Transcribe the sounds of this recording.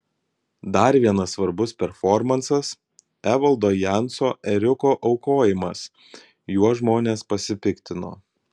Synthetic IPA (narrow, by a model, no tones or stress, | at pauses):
d̪ɐɾʋʲiɛnɐsːʋɐɾbʊspʲɛɾfɔɾmɐnsɐs | æʋɐlˠd̪oːjænsoːʔɛɾʲʊkoːʔɒʊkoːjɪmɐs | juɔʒmoːnʲeːspɐsʲɪpʲɪkʲt̪ʲɪno̰ː